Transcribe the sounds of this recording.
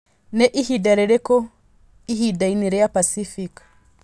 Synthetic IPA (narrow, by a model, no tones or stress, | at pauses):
nɛʔihidaɾɛɾeko | iɦidainiɾɛapasifik